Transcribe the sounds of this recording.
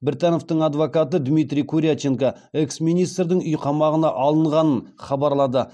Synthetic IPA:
bɾʲt̪ano̞ft̪əɴɑd̪vokat̪əd̪mijt̪ɾʲijkʰuɾʲijat͡ʃeŋka | eksmijnijst̪rd̪ɪŋʏjqʰɑmɑʁənɑʔɑlˠəɴʁɑnənχɑbɑɾlˠɑd̪ə

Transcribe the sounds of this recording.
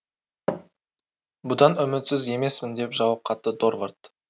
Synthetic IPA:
bʊd̪ɑnʏmɪt̪sɪze̞me̞smɪnd̪e̞pʒɑwɑp̚qʰɑt̪ːəd̪orvɑrt̪

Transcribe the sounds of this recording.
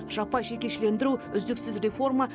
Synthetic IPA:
ʒɑpːɑjʃe̞kʲe̞ʃɪle̞nd̪ɪɾuʏzd̪ɪksɪzre̞fo̞rmɑ

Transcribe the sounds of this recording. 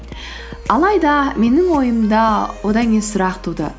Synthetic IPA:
ɑlˠɑjd̪ɑme̞nɪŋwo̞jəmd̪ɑwo̞d̪ɑŋʲesʊɾɑqt̪ʰud̪ə̰

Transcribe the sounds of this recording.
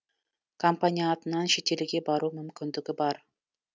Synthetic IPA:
kʰompanʲijaːt̪ənɑnʃe̞t̪elɪɡʲe̞bɑɾumʏmkʲɪnd̪ɪɡʲɪbɑɾ

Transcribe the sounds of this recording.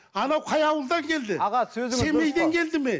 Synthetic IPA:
ɑnɑwqʰɑjɑwəlˠd̪ɑŋkʲʰe̞ld̪ɪʁɑsɵzɪse̞me̞jd̪eŋkʲʰe̞ld̪ɪme

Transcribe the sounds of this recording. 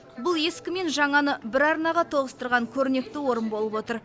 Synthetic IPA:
bʊlˠje̞skʲɪme̞nʒɑɴɑnəbɪɾɑɾnɑʁɑt̪ʰo̞ʁəst̪əɾʁɑŋkʲʰɵɾɪne̞kt̪ɪwo̞ɾənbo̞lˠəpwo̞t̪əɾ

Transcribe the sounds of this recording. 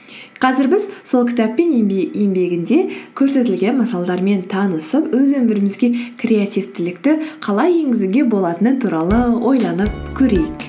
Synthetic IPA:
qʰɑzɪɾbɪzso̞lˠkʲɪ̥t̪æpːe̞ne̞mbe̞ɡʲɪnd̪e̞kʲʰɵɾse̞t̪ɪlɡʲe̞nmɑsɑlˠɑd̪ɑɾme̞nt̪ʰɑnəsəpwɵzɵmbɪɾɪmɪzɡʲe̞kʰrʲe̞at̪ijvt̪ɪlɪkt̪ɪqʰɑlˠɑje̞ŋɡʲɪzɪɡʲe̞bo̞lˠɑt̪ənət̪ʰuɾɑlˠəwʔo̞̰jlˠɑnəp̚kʲʰɵɾe̞jɪk

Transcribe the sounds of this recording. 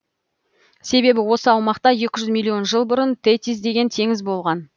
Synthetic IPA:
se̞be̞bɪwo̞səɑwmɑqt̪ɑje̞kʲɪʒʏzmʲilʲˠːio̞nʒəlˠbʊɾənt̪ʰet̪isd̪e̞ɡʲe̞nt̪ʰe̞ŋɪzbo̞lˠʁɑn

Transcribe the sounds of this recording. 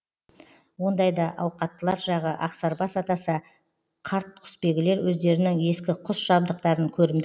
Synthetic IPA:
wo̞nd̪ɑjd̪ɑʔɑwqɑt̪ːəlˠɑɾʒɑʁəʔɑqsɑɾbɑsɑt̪ɑsɑ | qʰɑɾt̪̚ʰʏ̥spe̞ɡʲɪle̞ɾwɵzd̪e̞ɾɪnɪŋe̞skʲɪqʰʊsʒ̥ɑb̚d̪əqt̪ɑɾəŋkʲʰɵɾɪmd̪

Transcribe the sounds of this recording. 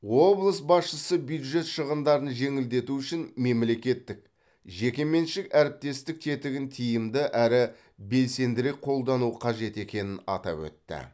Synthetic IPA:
wo̞blˠəsbɑsʃəsəbjud̪ʒe̞t̪ʃəʁənd̪ɑɾənʒe̞ŋɪld̪e̞t̪uʏʃɪnme̞mle̞kʲe̞t̪ːɪk̚ | ʒe̞kʲe̞me̞nʃɪkæɾɪp̚t̪e̞st̪ɪk̚t̪ʰe̞t̪ɪɡʲɪnt̪ʰijɪmd̪ɪʔæɾɪ | be̞lse̞nd̪ɪɾe̞k̚qʰo̞lˠd̪ɑnuəqʰɑʒe̞t̪e̞kʲe̞nɪnɑ̰t̪ɑ̰pwɵ̰t̪ːɪ̰

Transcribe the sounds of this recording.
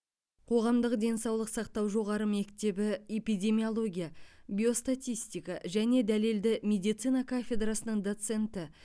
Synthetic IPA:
qʰo̞ʁɑmd̪əqd̪e̞nsɑwlˠəqsɑqt̪ɑwʒo̞ʁɑɾəme̞kt̪e̞bɪe̞pijd̪ʲe̞miolˠo̞ɡʲijabʲio̞st̪at̪ʲijst̪ijkaʒæne̞d̪æle̞ld̪ɪmʲe̞d̪ijt̪sɨjnakʰafʲe̞d̪rasənəɴd̪o̞t̪se̞nt̪ɪ

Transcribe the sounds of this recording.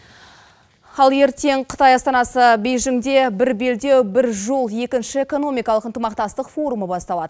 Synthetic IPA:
ɑlˠje̞ɾt̪e̞ɴqʰə̥t̪ɑjɑst̪ɑnɑsəbe̞jʒɪŋd̪e̞bɪɾbe̞ld̪e̞wbɪɾʒo̞lˠje̞kʲɪnʃɪe̞ko̞no̞mijkɑlˠəqənt̪əmɑqt̪ɑst̪əqfo̞ɾuməbɑst̪ɑlˠɑd̪ə

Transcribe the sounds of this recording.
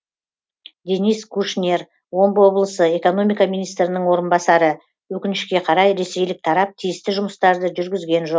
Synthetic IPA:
d̪e̞nijskʰuʃnʲe̞r | wo̞mbwo̞blˠəsəe̞ko̞no̞mijkɑminijst̪ɾɪnəɴwo̞ɾənbɑsɑɾə | wɵkʲɪnɪʃkʲe̞qʰɑɾɑjɾe̞se̞jlɪk̚t̪ʰɑɾɑp̚t̪ʰijɪst̪ɪʒʊməst̪ɑɾd̪əʒʏɾɡʲɪzɡʲe̞nʒo̞q̚

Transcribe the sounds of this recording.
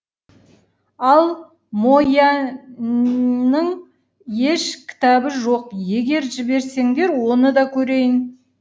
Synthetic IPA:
ɑlˠ | mo̞jɑ | nəɴ | je̞ʃkʲʰɪ̥t̪ɑbəʒoq̚je̞ɡʲe̞ɾʒɪbe̞ɾse̞ŋd̪e̞ɾwo̞nəd̪ɑkʲʰɵɾe̞jɪn

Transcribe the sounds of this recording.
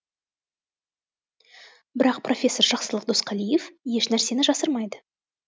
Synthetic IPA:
bɪɾɑq̚prʔo̞fʲe̞sːo̞rʒɑqsəlˠəq̚d̪osqʰɑlijefje̞ʃnæɾse̞nɪʒɑsəɾmɑjd̪ə

